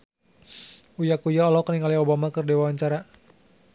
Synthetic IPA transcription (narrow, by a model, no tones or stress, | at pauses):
ujakujaɔlɔkəniŋaliobamakərdiwawaɲt͡ʃaɾa